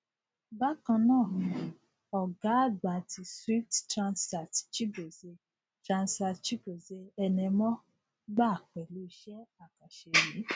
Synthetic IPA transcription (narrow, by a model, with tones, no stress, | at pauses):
ba˦kã˧nãː˦˨ũ˧˨ | ɔ˨ɡa˨˦˨ɡ͡ba˨tʰi˧swi˦ttɾã˧nsa˨tt͡ʃi˦bo˨ze˧ | tɾã˧nsa˧t͡ʃi˦bo˨ze˧ɛ˧nɛ̃˧mɔ̃˦ | ɡ͡ba˦˨k͡pɛ˨lu˨˦˧ʃɛ˦a˦˨ka˨ʃe˧ji˨˦